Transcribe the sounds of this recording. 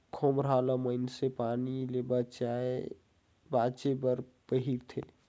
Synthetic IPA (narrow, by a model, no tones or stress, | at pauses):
kʰoːmɾaːlaməɪnsepanilebət͡ʃae | baːt͡ʃebəɾpəɦiɾt̪ʰḛ